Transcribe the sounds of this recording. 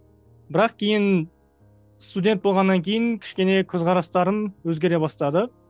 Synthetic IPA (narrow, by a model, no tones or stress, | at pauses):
bɪɾɑqkʲʰe̞jɪn | st̪udʲe̞nt̪̚bo̞lˠʁɑnːɑŋkʲʰe̞jɪŋkʲʰɪ̥ʃkʲe̞ne̞kʲʰɵzʁɑɾɑst̪ɑɾənwɵzɡʲe̞ɾe̞bɑst̪ɑd̪ə